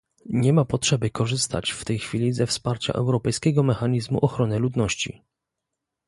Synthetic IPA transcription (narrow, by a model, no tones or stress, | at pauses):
ɲɛmapɔtʂɛbɘkɔʐɘst̪ʰa̰t͡ɕft̪ɛjxfʲilʲizɛfspaɾt͡ɕa̰ʔɛwɾɔpɛjskʲɛɡɔmɛxaɲizmṵʔɔxɾɔnɘlud̪nɔɕt͡ɕḭ